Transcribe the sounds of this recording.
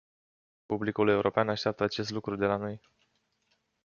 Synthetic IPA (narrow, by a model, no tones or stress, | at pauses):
publikule̞uɾʔo̞peanaʃt̪eap̚t̪əat͡ʃe̞st̪lukɾud̪e̞lano̞j